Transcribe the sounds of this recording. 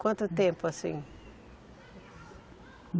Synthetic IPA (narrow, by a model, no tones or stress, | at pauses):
kwɐ̃nt̪ʊt̪ẽmpʊasḭ̃ | b